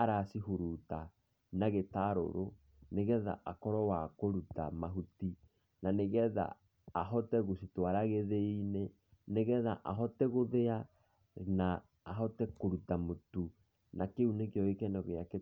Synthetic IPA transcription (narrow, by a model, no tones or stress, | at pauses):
aɾasihuɾuta | naɣetaɾo̰ɾo | neɣɛða̰ʔakɔɾɔwakoɾutamaɦuti | naneɣɛða̰ː | ɦɔtɛɣositwaɾaɣeðeine | neɣɛðaʔaɦɔtɛɣoðea | naː | ɦɔtɛkoɾutamotu | nakeunekeɔekɛnɔɣeake